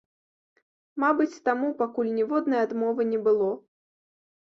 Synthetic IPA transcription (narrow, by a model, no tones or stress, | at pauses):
mabɨt͡sʲt̪amupakulʲnʲɛvɔd̪nɐjɛad̪mɔvɨnʲɛbɨlˠɔ